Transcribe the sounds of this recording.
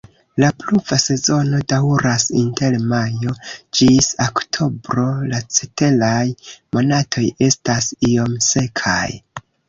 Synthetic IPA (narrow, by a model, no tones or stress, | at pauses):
lapluvase̞zo̞no̞dawɾasinte̞lmajo̞d͡ʒisoktʰo̞bɾo̞lat͡sete̞lajmo̞natʰo̞je̞stasio̞mse̞kʰa̰j